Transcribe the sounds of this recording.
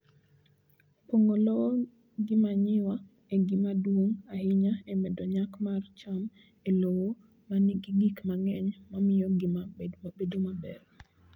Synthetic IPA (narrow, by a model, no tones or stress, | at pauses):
poŋolɔɔ | ɡɪmaɲɪwa | eɡɪmadwoŋahɪɲaɛmɛdoɲakmart͡ʃam | elowo | maniɡiɡikmaŋɛɲmamɪjɔɡɪmamabedomabɛ̰r